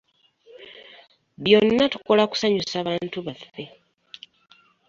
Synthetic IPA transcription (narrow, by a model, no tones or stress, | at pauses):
βjo̞nːatu̥ko̞laku̥saɲusaːβaːntuβafe̞